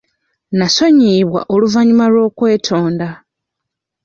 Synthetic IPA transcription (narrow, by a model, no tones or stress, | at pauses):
naso̞ɲiːβwa̰ʔo̞luvaɲumalwo̞ːkwe̞ːtʰo̞ːnda